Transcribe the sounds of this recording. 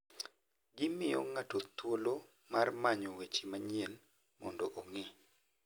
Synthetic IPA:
ɡɪmɪjɔ̰ŋatot̪wolo | marmaɲowet͡ʃimaɲiel | mɔ̰ndoʔoŋɪ

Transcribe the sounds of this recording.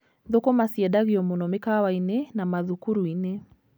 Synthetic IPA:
ðokɔmasiɛɗaɣiɔmɔnɔmekawainenamaðukuɾuine

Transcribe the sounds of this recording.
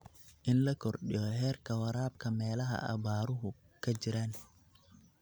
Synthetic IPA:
ʔɪnlɐkʰɔrɗijɔɦɛːrkʰɐwɐɾaːbkʰɐmɛːlɐɦɐ̰ʔɐ̰βaːɾʊɦʊ | kʰɐt͡ʃɪɾan

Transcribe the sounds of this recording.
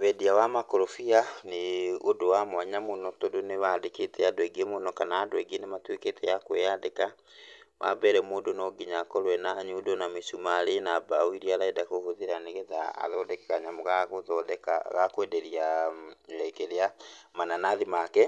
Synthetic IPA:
βɛdiawamakoɾofianeodowamwaɲamonɔtodoneβadeketʰɛadoɛɡemonɔkanaːndwɛɡenematweketɛjakwejadeka | ma̰bɛɾɛmoːdonɔɡiɲakɔɾwɛnaːɲudonamisumaːɾenabawiɾiaɾaidakohoðiɾaneɣeða̰ːðɔdɛkɛɣaɲamoɣaɣoðɔðɛka̰ɣakwɛdɛɾia | ɛkeɾeamananaðimakɛ

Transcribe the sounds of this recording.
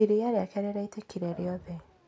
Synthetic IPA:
iɾijaɾeakaɾɛɾaitakʰiɾeɾeɔbɛ

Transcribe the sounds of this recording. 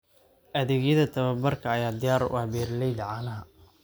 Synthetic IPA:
ʔɐðɪɣjɐðɐt̪ʰɐβɐbɐrkʰɐːjaːd̪ɪjaːɾbɛːrlɛjd̪ɐʕaːnɐɦɐ

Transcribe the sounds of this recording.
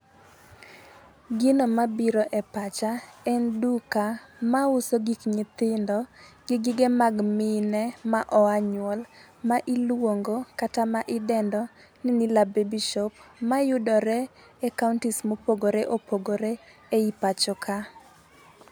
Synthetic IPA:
ɡɪnomabiɾɔʔɛpat͡ʃaɛndukamaʊsoɡikɲɪt̪ɪndɔɡɪɡɪɡemaɡmɪnɛmaʔɔaɲwɔl | maʔilwoŋɡokatamaʔɪdɛndɔ | nɪnɪlabebiʃɔp̚majʊdɔɾɛ | ɛkaʊntismopoɡoɾeʔopoɡoɾeeipat͡ʃɔkʰa

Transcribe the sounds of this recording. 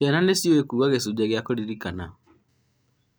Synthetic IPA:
ɛnanesioekuuaɣesud͡ʑɛɣeakoɾiɾikana

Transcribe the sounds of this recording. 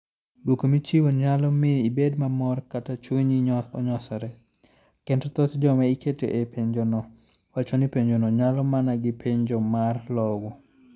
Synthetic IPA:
dwokomit͡ʃiwoɲalɔmɪibedmamɔrkatat͡ʃwiɲiɔɲɔsɔɾɛ | kɛntɔt̪ɔtd͡ʒɔmɛikʰetḛʔepʰeɲd͡ʒonɔ | wat͡ʃonipeɲd͡ʒonɔɲalɔmanaɡɪpʰeɲd͡ʒɔmarlɔɡɔ

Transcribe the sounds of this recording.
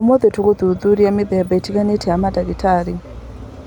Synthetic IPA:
umɔd̪ɛtʰukɔd̪ud̪uɾiamid̪ɛjabaitʰikanɛtʰɛamadakitʰaːɾi

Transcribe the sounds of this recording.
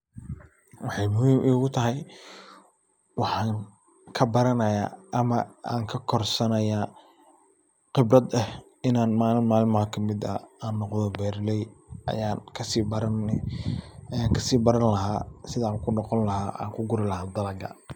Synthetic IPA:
wɑħɑjmʊhiːmʔʊːɣʊt̪ʰɐɦɛj | wɑħɑːŋ | kʰɐbɐɾɐnɐja̰ːʔɐmɐaːŋkʰɐkʰɔrsɐnɐjaː | qɪbɾɐd̪ɐh | ɪnaːnmaːlnmaːlɪnmɐkʰɐmɪd̪ɐ̰aːnːɔqðɔbɛːɾlɛjɐ̰jaːnkʰɐsiːbɐɾɐn | jaːŋkʰɐsiːbɐɾɐnlɐɦaːsɪðaːkʰʊnɔqɔnlɐɦaːʔa̰ːŋkʰʊɡʊɾɪlɐɦaːd̪ɐlɐɡɐ̰

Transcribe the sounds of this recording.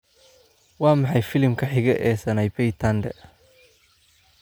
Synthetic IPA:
wɑːmɑħɑjfɪlɪmkʰɐħɪɣɛʔɛːsɐnɛjbɛjt̪ʰɐnd̪ɛ̰

